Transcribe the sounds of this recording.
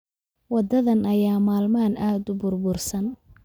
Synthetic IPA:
wɑd̪ɐðɐnɐjaːmaːlmaːnaːd̪ʊbʊrbʊrsɐn

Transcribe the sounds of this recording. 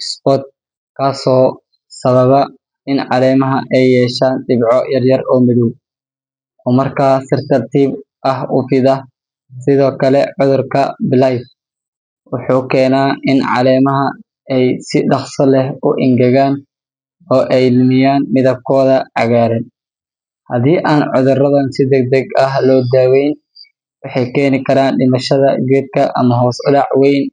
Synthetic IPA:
spɔt̪̚ | kʰaːsɔː | sɐβɐβɐ | ɪnʕɑ̰lɛːmɐɦɐʔɛjːɛːʃaːnɖɪbʕɔjɐrjɐrɔːmɪðuw | ɔːmɐrkʰaːsɪrt̪ʰɐrt̪ʰiːbʔɐɦʊfɪðɐh | sɪðɔːkʰɐlɛʕʊðʊrkʰɐbɪlajf | wʊħuːkʰɛːnaːʔɪnʕɑ̰lɛːmɐɦɐ | ɛjsɪɖɑχsɐlɛɦʊʔɪŋɡɐɣaːn | ɔːʔɛjlmɪjaːnmɪðɐb̚kʰɔːðɐʕɑɣaːɾɛn | hɐðiːʔaːnʕʊðʊrɐðɐnsɪd̪ɛɡ̚d̪ɛɡɐɦlɔːd̪aːwɛjn | wɑħɑjkʰɛːnɪkʰɐɾaːnɖɪmɐʃɐðɐɡɛd̪̚kʰɐʔɐmɐɦɔːsʊlɑʕwɛjn

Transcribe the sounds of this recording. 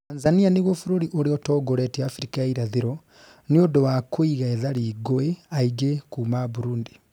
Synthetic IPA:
tanzanianeɣofuɾoɾiʔoɾeɔtɔːɡoɾɛtiaːfiɾikaaiɾaðeɾɔ | niodɔwakoiɣaɛðaɾiːɡoeaiɡekuːmaβuɾuːndi

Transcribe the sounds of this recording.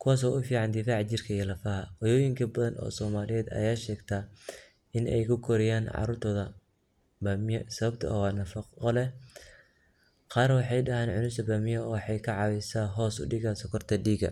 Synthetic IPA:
kʰʊwaːs̬ɔːʔʊfiːʕɑnd̪ɪfaːʕt͡ʃɪrkʰɐijɐlɐfɐɦɐwɐjɔːjɪŋkʰɐbɐðɐnʔɔ̰ːsɔːmaːlɪjɛːd̪ɐ̰jaːʃɛːɡt̪ʰaː | ɪnɛ̰jkʰʊkʰɔɾɛjaːnʕɑ̰ɾuːrt̪ʰɔːðɐ | bamɪjsɐβɐbt̪ʰɐ̰ʔɐ̰wɑːnɐfɐqɔlɛ | qɑːrwɑħɑjɖɐɦaːnʕʊnʊsʰɐbaːmɪjɔɔwħɑjkʰɐʕɑwɪsaːɦɔːsʊ̰ɖɪɣaːsɔkʰɔrt̪ʰɐɖiːɡɐ̰

